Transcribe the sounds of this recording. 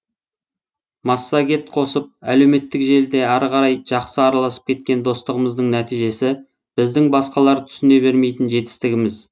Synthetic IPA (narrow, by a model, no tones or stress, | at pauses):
mɑsːɑɡʲe̞t̪qʰo̞səp̚æle̞wme̞t̪ːɪkʒe̞ld̪e̞ɑɾʁɑɾɑjʒ̥ɑqsəɑɾɑlˠɑsə̥p̚kʲʰe̞t̪̚kʲe̞nd̪o̞st̪əʁəməzd̪əɴnæt̪ijʒe̞sɪ | b̥ɪzd̪ɪŋbɑsqɑlˠɑɾt̪ʰʏ̥sʏne̞be̞ɾme̞jt̪ɪnʒe̞t̪ɪ̥st̪ɪɡʲɪmɪz